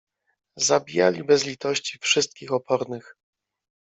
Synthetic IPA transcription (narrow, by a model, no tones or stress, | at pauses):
zabʲija̰lʲibɛzlʲit̪ɔɕt͡ɕifʂɘst̪̚kʲixɔpʰɔɾnɘx